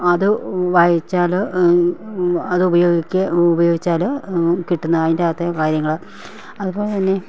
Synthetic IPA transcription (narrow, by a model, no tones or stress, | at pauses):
ɐðɨʋajit͡ɕːaːl | ɐðɨubɐjo̞ːɡikʲːɨubɐjo̞ːɡit͡ɕːaːlkiʈːunːɐðɐðindeaːɐt̪ːekaːɾjɐŋːɐɭɨ | ɐðubo̞ːɭet̪ɐnːe̞